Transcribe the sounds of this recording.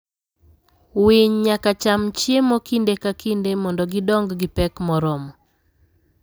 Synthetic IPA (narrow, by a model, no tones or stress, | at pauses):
wiɲɲakat͡ʃamt͡ʃjemɔkindekakindemɔndɔɡɪdɔŋɡɡɪpɛkmɔɾɔmɔ